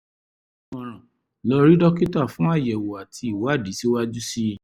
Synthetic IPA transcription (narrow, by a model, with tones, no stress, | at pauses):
mɔ̃˨ɾ̃ã˨ | lɔ˧˦ɾi˦dɔ˦ki˦ta˦˨fũ˨˦a˦˨jɛ˨wo˨a˨tʰi˧i˨wa˨˦˨di˨˦si˦wa˦d͡ʒu˦si˦